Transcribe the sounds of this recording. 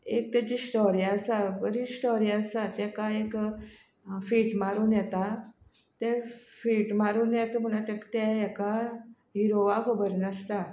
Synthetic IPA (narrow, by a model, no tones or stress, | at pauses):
ek̚t̪ɛt͡ɕisʈɔɾiasabəɾisʈɔɾiasat̪ɛkaek | fiːʈmaɾunjɛt̪a | t̪ɛfiːʈmaɾuːnjɛt̪m̤əɽ̃at̪ɛkt̪ɛɛka | ɦiɾoʋakʰəbəɾnəst̪a